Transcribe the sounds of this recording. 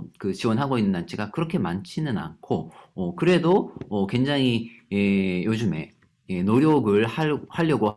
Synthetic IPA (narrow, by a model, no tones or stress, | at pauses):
kɯt͡ɕiwʌnɦaɡoinːɯnːant͡ɕʰiɡakɯɾʌkʰe̞mant͡ɕʰinɯna̰nkʰoʌkɯɾe̞doʌkwe̞ŋd͡ʑaŋiejod͡ʑume̞ | je̞noɾjʌɡɯɭahaʎːʌɡo